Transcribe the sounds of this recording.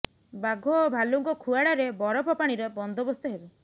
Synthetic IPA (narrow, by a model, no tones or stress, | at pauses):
baɡʱobʱaluŋkɔkʰuaɽaɾebɔɾɔpʰɔpaɽ̃iɾɔbɔnd̪ʱɔbɔst̪ɔɦebe